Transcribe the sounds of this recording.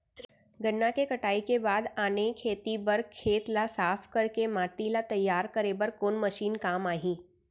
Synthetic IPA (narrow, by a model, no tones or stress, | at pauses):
ɡənːakekɐʈaːikebaːd̪aːnekʰeːt̪ibɐɾkʰeːt̪lasaːpʰkɐɾkemaːʈ̪ilat̪ɐjːaːɾkəɾebəɾkoːnmɐʃiːnkaːmaːɦĩː